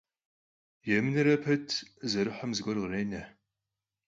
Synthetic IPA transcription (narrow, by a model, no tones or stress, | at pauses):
jɛmɨnɨɾɐpʰɐtʰzɐɾɨħʷɔmzɨɡʷɔrʁreːnɐ